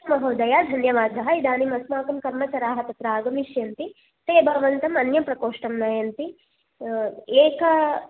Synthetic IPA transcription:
mɐɦɐːd̪ɐjaːd̪ʱɐnjɐʋaːd̪ʱɐɦɐid̪aːnimɐsmaːkɐmkɐɾmɐt͡ʃɐɾaːɦɐt̪ɐt̪ɾaːɡɐmiʃjɐnt̪i | t̪eːbʱaʋɐnt̪ɐmɐnjɐmpɾɐkoːʂʈɐmnɐjɐnt̪i | eːkɐ

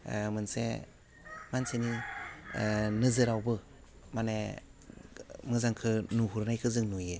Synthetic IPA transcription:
mɯnsḛ | manseni | nɯzɯɾawbɯ | mane | mɯzaŋkʰɯnuɦuɾnajkʰɯzɯŋnujɯ

